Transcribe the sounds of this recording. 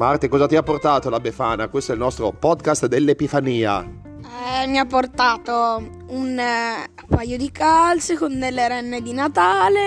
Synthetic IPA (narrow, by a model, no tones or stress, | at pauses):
mart̪ekɔːzat̪iapːort̪aːt̪olabefaːnakwest̪oɛilnɔst̪ɾopɔd̪kast̪d̪elːepifaniːa̰ | ɛmiapːort̪aːt̪o | un | pajod̪ikalsekond̪elːeɾɛnːed̪inat̪aːle